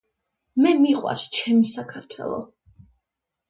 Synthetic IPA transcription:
mɛmiqʼwa̰ɾst͡ʃʰɛmisakʰaɾt̪ʰwɛ̰lˠɔ̰

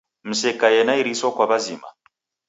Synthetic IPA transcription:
m̩sɛkajɛnaiɾiswakwaβazima̰

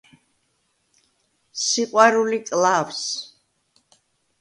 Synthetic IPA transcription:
siqʼwaɾulikʼlavs

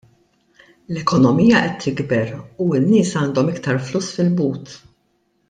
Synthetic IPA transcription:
lɛkɔnɔmijɐʔɛt̪ʰːɪɡbɛɾuɪnːɪːsɐːnd̪ɔmɪkt̪ɐɾfluːsːfɪlbuːt̪

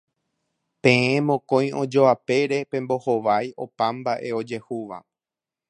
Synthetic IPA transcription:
pẽ̞ẽmõkõ̞j̃õ̞d͡ʒo̞ape̞ɾe̞pẽmbo̞ho̞ʋajʔo̞pãmbaʔe̞o̞d͡ʒe̞huʋa̰

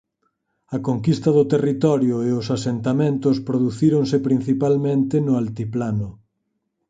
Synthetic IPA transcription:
ɐkoŋkist̪ɐðʊt̪erit̪ɔɾjʊeʊsasent̪amẽnt̪ʊspɾoðuθiɾoŋsɪpɾin̟θipalmẽnt̪ɪnʊalt̪iplanʊ

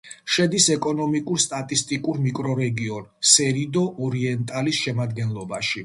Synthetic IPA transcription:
ʃɛd̪isɛkʼɔnɔmikʼuɾst̪ʼat̪ʼist̪ʼikʼuɾmikʼɾɔɾɛɡiɔnsɛɾid̪ɔʔɔɾiɛnt̪ʼalisʃɛmad̪ɡɛnlˠɔbaʃi

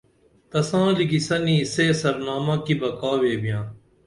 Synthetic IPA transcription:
t̪ɐsãːliɡisɐnĩːseːsəɾnaːmãːkiːbɐkaːʋeːbɪjãː

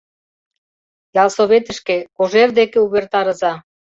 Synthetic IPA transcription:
jɑlˠsoβet̪ə̆ʃkekoʒerd̪ekeuβert̪ɑɾɤ̆zɑ

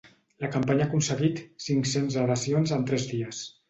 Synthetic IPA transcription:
ləkampaɲakunsəɣit̪siŋksenzaɾasionzənt̪ɾɛzðiəs

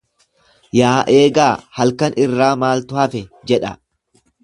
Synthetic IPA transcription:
jaːʔe̞ːɡaːhɐlkɐnʔɪrːaːmaːlt̪ʊhɐfɛd͡ʒɛᶑɐ

